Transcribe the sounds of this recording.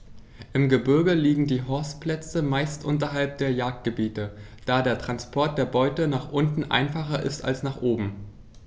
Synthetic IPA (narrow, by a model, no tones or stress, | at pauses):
ʔɪmɡəbɪɐɡəliːɡŋ̩diːɦɔɐstpl̥ɛt͡səmaɪstʔʊntɐɦalp̚d̥eːɐjaːk̚t̚ɡ̥əbiːtə | d̥aːdeːɐtʁ̥anspʰɔɐt̚d̥eːɐbɔʏtənaːχʔʊntn̩ʔa̰ɪnfaχɐʔɪ̰sta̰lsnaːχʔoːbm̩